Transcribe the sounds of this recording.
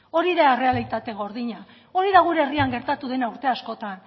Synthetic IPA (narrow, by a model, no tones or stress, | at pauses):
o̞ɾiðare̞alit̪at̪e̞ɣ̞o̞ɾðiɲa | o̞ɾiðaɣ̞uɾeeriaŋɡe̞ɾt̪at̪uðe̞nauɾt̪e̞asko̞t̪an